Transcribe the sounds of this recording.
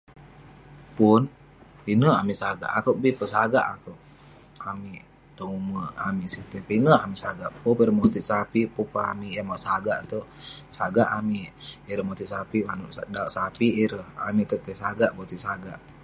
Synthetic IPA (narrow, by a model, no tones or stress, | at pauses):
pun | pinəa̰misaɡa̰ʔa̰kəʔbipəsaɡa̰ʔakoʔ | amiʔ | t̪əŋuməamisit̪əpinəamisaɡaʔpopiɾəmot̪iʔsapipopamiʔjamaʔsaɡaʔt̪oʔsaɡaʔamiːɾəhmot̪iʔsapimanuʔdauʔsapiʔɾəha̰miʔt̪ut̪esaɡaʔbot̪iʔsaɡaʔ